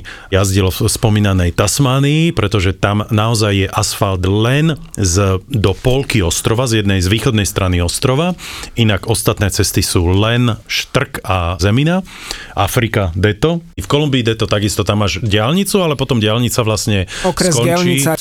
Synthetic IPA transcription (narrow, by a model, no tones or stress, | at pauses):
jazɟilɔfspɔmiːnanɛjt̪asmaːniːpɾɛt̪ɔʒɛt̪amnaɔzajːɛʔasfald̪lɛnzd̪ɔpɔlkiɔst̪ɾɔʋazjɛd̪nɛjzʋiːxɔd̪nɛjst̪ɾʔaniɔst̪ɾɔʋainaɡɔst̪at̪nɛːt͡sɛst̪isuːlɛnʃt̪r̩kazɛmina | ʔafɾikad̪ɛt̪ɔfkɔlumbiːd̪ɛt̪ɔt̪aɡist̪ɔt̪amaʒɟɪalɲit͡sualɛpɔt̪ɔmɟɪalɲit͡saʋlasɲɛɔkɾɛkɔnat͡ʃɲiiːa